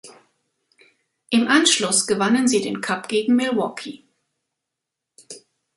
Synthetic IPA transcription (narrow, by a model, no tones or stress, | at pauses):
ʔɪmʔanʃlʊsɡ̥əvanənziːdeːnkʰapɡ̥eːɡŋ̩mɪlwɔkʰi